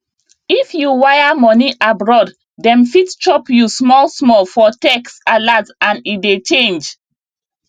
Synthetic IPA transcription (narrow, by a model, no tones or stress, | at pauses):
ifjuwajamɔniʔabɹɔdː | ɛ̃nfitt͡ʃɔpjusmɔlsmɔlfɔtɛksalatãnidet͡ʃẽnd͡ʒ